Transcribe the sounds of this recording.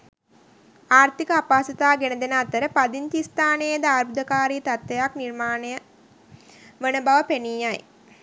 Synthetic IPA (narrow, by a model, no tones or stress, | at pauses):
aːɾt̪ikəapaːsɐt̪aːɡenəd̪enəat̪əɾəpad̪int̪ist̪aːnejəd̪əaːɾbud̪əkaːɾiːt̪at̪ʋejakniɾmaːnəjə | ʋənəbaʋəpeniːaj